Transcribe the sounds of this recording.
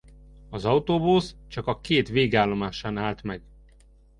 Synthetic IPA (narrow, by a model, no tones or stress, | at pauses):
ɒzɒwt̪oːbust͡ʃɒkɒkeːt̪ʋeːɡaːlːo̞maːʃaːnaːlt̪mɛɡ